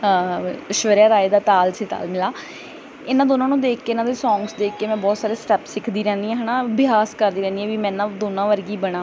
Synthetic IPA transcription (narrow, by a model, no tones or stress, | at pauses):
ʃʋəɾjaːɾaːeːd̪aːt̪aːlseːt̪a̰ːlmɪlaː | ɪnãːd̪oːnãːnũːd̪eːkʰːeːnãːd̪eːsɔ̃ːŋɡsd̪eːkʰkeːmɛ̃ːbɔːt̪saːɾeːsʈɛːpsɪkʰd̪iːɾɛ̃ːnd̪iːɛ̃ːɦənãːbɪaːskəɾd̪iːɾɛːnd̪iːɛːʋiːmɛ̃ːnãːd̪oːnãːʋəɾɡiːbəɽ̃ãː